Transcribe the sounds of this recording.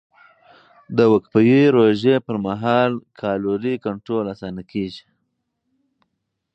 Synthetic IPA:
d̪əwəkpəjiɾoʒepəɾmaɦɑlkʰɑloɾikaɳʈɾolasɑnakeʒi̥

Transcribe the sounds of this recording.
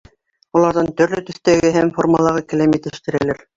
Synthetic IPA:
ulˠɑɾðɑnt̪ɵ̆ɾlɵt̪ɵ̆θt̪æɡɘɦæmformɑlˠɑʁɤkɘ̆læmjɘt̪ɘ̆ʃt̪ɘ̆ɾælæɾ

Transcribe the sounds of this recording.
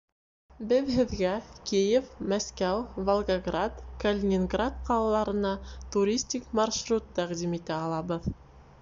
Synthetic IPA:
bɘðɦɘ̆ðɡækijefmæskæwvolˠɡɐɡrat̪kəlʲɪnʲɪnɡrat̪̚qɑlˠɑlˠɑɾɤ̆nɑt̪uɾʲisʲt̪ʲikmɑrʃrut̪ːæqd̪imit̪æɑlˠɑβɤð

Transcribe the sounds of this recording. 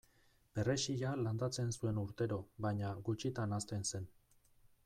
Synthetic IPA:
b̥e̞re̞ʃiʎaland̪at͡se̞nsue̞nuɾt̪e̞ɾo̞βajɲaɡut͡ʃit̪anast̪e̞nse̞n

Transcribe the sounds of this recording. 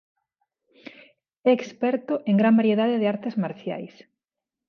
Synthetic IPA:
ɛːkspɛɾt̪ʊʔeŋɡɾambaɾjeðaðeðɪaɾt̪ɪzmaɾθja̰js

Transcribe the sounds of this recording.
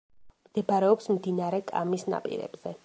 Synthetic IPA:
md̪̥ɛbaɾɛɔpsmd̪inaɾɛkʼa̰misna̰pʼḭɾɛ̰b̥z̥ɛ

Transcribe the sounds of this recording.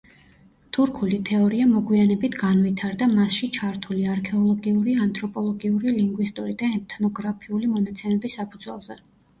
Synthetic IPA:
t̪ʰuɾkʰulit̪ʰɛɔɾiamɔɡwianɛbit̪ʰɡanvit̪ʰaɾd̪amasʃit͡ʃʰaɾt̪ʰuliaɾkʰɛɔlˠɔɡiuɾiant̪ʼɾɔpʼɔlˠɔɡiuɾiliŋɡwist̪ʼuɾid̪aɛt̪ʰnɔɡɾapʰiulimɔnat̪sʰɛmɛbisːapʰud̪z̥wɛlˠzɛ

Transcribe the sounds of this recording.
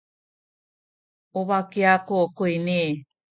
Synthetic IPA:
oβakiakokoine

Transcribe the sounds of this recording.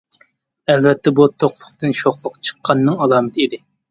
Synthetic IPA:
ælvɛt̪ːɛbut̪ʰːoqlˠʊχt̪ɨnʃoχlˠʊqt͡ʃʰə̥qʰːɑnːɨŋɑlˠɑːmɨt̪ʰid̪ɪ

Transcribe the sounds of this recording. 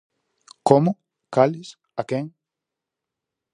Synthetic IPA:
komʊ | kalɪs | akeŋ

